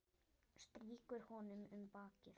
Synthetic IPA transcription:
st̪ɾiːkʏɾ̥hɔnʏmʏmpaːcɪ

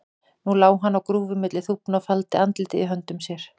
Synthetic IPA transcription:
nulaːwɦanːawkɾuːvɪmɪt̪lɪθupnɔfalt̪ɪant̪lɪːt̪ɪɪɦœnt̪ʏmsjɛɾ̥

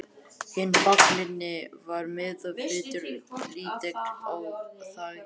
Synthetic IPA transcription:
hɪnːfaklɪnːɪvaɾmɪðɔvlɪːt̪ʏɾliːt̪ɛkawθa

